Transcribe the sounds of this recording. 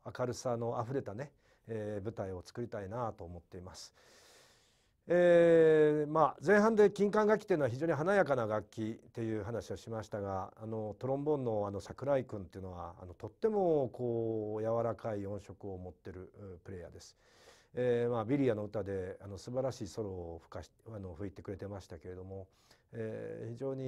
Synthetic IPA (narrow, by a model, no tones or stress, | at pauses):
akaɾɯ̟sano̞aɸɯ̟ɾe̞t̪ane̞ | ebɯ̟t̪aio̞t͡sɨ̥kɯ̟ɾʲit̪ainat̪o̞ːmo̞t̪ːe̞imasɨ̥ | e | mazẽ̞ɰ̃ɦãnd̪e̞kʲĩŋkãŋɡak̬ʲːi̥t̪eiɯnoaçʲiʑo̞ːɲ̟iɦanajakanaɡakʲːit̪e̞jɯ̟ːɦanaɕio̞ɕimaɕi̥t̪aɡaːno̞t̪o̞ɾõ̞mbõ̞nːo̞ano̞sakɯ̟ɾaikɯ̟̃nt̪e̞iɯ̟noβa̰ːno̞t̪o̞t̪ːe̞mo̞kʰo̞ːjaβaɾakaiõ̞ɰ̃ɕo̞kɯ̟omo̞t̪ːe̞ɾɯ̟pɯ̟ɾe̞ːja̰d̪e̞sɨ̥ | emabʲiɾʲiano̞ɯ̟t̪ad̪e̞ano̞sɨbaɾaɕiːso̞ɾo̞ːɸɯ̥kaano̞ɸɯ̟it̪e̞kɯ̟ɾe̞t̪e̞maɕi̥t̪ake̞ɾe̞d̪o̞mo̞ | ḛçiʑo̞ːɲ̟i